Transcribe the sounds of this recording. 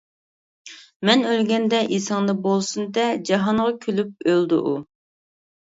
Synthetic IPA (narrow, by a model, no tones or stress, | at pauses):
mɛnølɡʲɛnd̪ɛʔisɑŋd̪ɑbolˠsund̪ɛd͡ʒɑɦɑɴʁɑkʲʰylyp̚øld̪ṵʔu